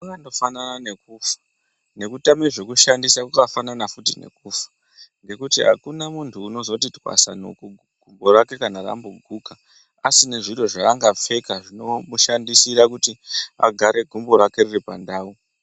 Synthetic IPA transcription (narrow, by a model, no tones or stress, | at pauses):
uɡando̞fananane̞kuːfḁ | ne̞kutameʐe̞kuʃandisakukafananafutine̞̰kuːfḁ | ŋɡe̞kutiɦa̰kunamuntʰuːno̞zo̞titwa̰sa̰no̰k | ɡ̥ʱumbo̞ɾake̞kanara̰mboɡʱuka | asine̞ʐiro̞ʐaːŋɡap͡fe̞kaʐino̞muʃandisiɾakutia̰ɡʱaɾʔe̞ɡʱumbo̞ɾake̞riripa̰ndaːu